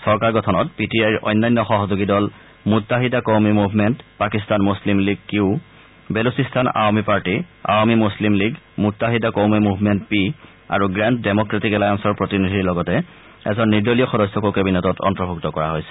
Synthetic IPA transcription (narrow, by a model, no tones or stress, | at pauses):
sɔɹkaɹɡɔtʰɔnɔtpitiajɹʔɔ̰jnːajnːɔxɔɦɔzoɡidɔl | mutːaɦidakɔwmimubʱmɛntpakistanmuslimliɡ̚kiʊ | belusistʰana̰wmipaɹtia̰wmimuslimliɡ | mutːaɦidakɔwmimubʱmɛntpi | a̰ɹuɡɹɛntdemɔkɹetikɛlajansɔɹpɹotinidʱiɹlɔɡɔtɛ | ɛ̰zɔnːiɹdolijɔxɔdɔsːɔkokebinɛtɔtʰɔ̰ntɔbʱuktɔkɔɹaɦojsɛ̥